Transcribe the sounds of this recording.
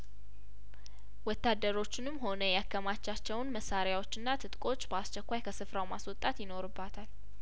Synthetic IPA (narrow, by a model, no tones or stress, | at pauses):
wɔt̪ːad̪ːəɾo̞t͡ʃːɪnɨmho̞nəjakʰːəmat͡ʃːat͡ʃːɛwnməsaɾjawo̞t͡ʃːɨnːat̪ʰɨt̪ʼkʼo̞t͡ʃːbəast͡ʃɛkʷːajkʰəsɨfɾawmaswɔt̪ʼat̪jɪno̞ɾɨbːat̪ʰal